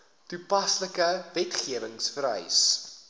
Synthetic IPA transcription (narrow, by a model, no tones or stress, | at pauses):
tupɐsləkəvɛtχiəvəŋsfəɾœ̰js